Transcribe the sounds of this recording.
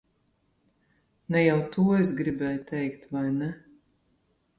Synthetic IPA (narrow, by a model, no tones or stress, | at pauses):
nɛjawt̪uːɔesɡɾibʲɛːjt̪ʰʲɛjkt̪vajnɛ